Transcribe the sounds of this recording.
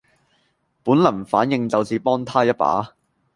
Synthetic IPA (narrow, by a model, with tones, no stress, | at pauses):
puː˨˥nlɐ˨˩nfaː˨˥njɪ˧ŋt͡sɐ˨wt͡siː˨˧pɔː˥ŋt̪ʰaː˥jɐ˥t̚pa̰ː˨˥